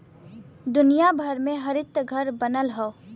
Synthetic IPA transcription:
d̪ʊnijabʱəɾmẽɦəɾɪt̪ɡʱəɾbənəlɦɔː

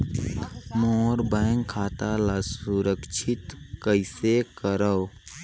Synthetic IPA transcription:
mɔːɾbɛːŋkʰːaːt̪alasuɾəkʃʰɪt̪kəɪsekəɾəw

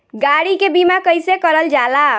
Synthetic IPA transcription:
ɡaɽikebimakəjsekəɾəld͡ʒala

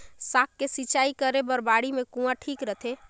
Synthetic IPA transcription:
saːk̚ːesit͡ʃaːikəɾebɐɾbaːɽimẽkũːãʈʰiːkɾət̪ʰe

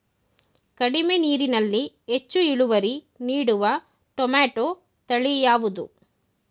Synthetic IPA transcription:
kɐɽimeniːɾinɐlːi | et͡ʃːuiɭuʋɐɾi | niːɽuʋɐ | ʈɔmaːʈo | t̪ɐɭijaːʋud̪u

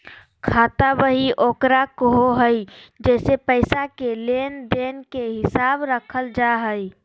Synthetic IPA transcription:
kʰaːt̪abəɦiʔoːkɾakəɦoɦəjd͡ʒɛːsepəɪsakelend̪enkeɦɪsabɾəkʰəld͡ʒaɦəj

